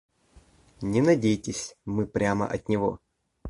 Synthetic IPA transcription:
nʲɪnɐdʲejtʲɪsʲmɨpɾʲamə̰ʔɐt̪ʲnʲɪvo̞̰

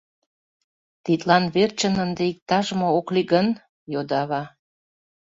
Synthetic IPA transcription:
t̪it̪lɑnβert͡ɕənənd̪eik̚t̪ɑʒmookliɣən | jod̪ɑβɑ

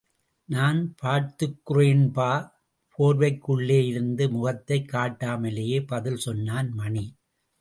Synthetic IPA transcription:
naːnpʰaːɾt̪ɯkːɯɾeːnpaː | pʰoːɾʋɐɪkːɯɭːeːjɪɾɯnd̪ɯmʊɣɐt̪ːɐɪkːaːʈːaːmɐlejeːpɐðɪlsɔnːaːnmɐɳi

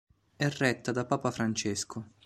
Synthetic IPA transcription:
ɛrːɛt̪ːad̪apaːpafɾant͡ʃɛskʰʊ

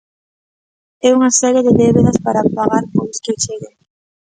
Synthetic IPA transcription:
ɛuŋɐsɛɾjeðɪðɛβeðɐspaɾɐpaɣaɾpojsket͡ʃeɣe

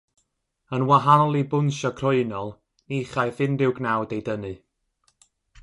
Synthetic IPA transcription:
ənwaɦanlˠibʊnʃɔkʰr̥ɔɨnɔlˠ | niχajθɪndɪwɡnawdejdənɨ

